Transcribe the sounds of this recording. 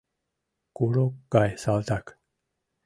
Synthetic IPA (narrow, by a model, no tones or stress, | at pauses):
kuɾokːajsalt̪ak